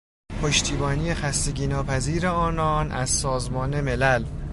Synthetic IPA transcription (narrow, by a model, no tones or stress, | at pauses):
pʰoʃt̪ʰiːbɒːniːjexæst̪e̞ɟiːnɒːpʰæziːɾeɒːnɒːnʔæzsɒːzmɒːne̞me̞læl